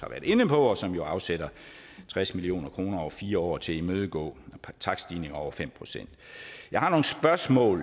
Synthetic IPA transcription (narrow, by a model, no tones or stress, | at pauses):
hɑ̈ʋæːɐð̥ˠe̝nəpʰɒ̽ɒ̽sɒ̽mjo̝ɑ̈ʊsed̥ɐ | t͡sʰʁasmilio̝̰ːnɐkʰʁo̝ːnɐɒʊɐfiːɐɒ̰ːt͡sʰe̝imøːð̞ˠəɡ̥ɔ̰̽ːt͡sʰɑ̈ɡ̥sd̥ine̝ŋɐɒʊɐfem̰pʰʁo̝sen̰d̥jɑ̈ɪhɑ̈no̝ːŋ̩sb̥ɶɐsmɔ̰̽ːl